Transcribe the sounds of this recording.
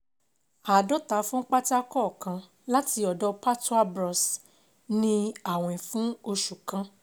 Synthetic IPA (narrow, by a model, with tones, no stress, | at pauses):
a˨dɔ˦ta˨˦fũ˦k͡pa˦ti˦a˦kɔ˦˨kã˧ | la˦ti˧ɔ˨dɔ˧pa˦tu˦a˦bɾɔ˧s | nĩ˧a˨w̃ɔ̃˨ĩ˨fũ˦o˧ʃu˨kã˧˦